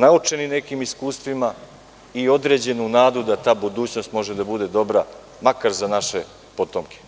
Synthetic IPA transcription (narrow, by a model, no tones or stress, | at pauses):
naut͡ʂe̞nine̞kiːmiskuːst̪ʋima | io̞d̪ɾe̞ːd͡ʑe̞nunaːd̪ud̪at̪aːbud̪uːt͡ɕno̞st̪mo̞ʒed̪abud̪e̞d̪o̞bɾa | makaɾzanaʃe̞ | po̞t̪omke̥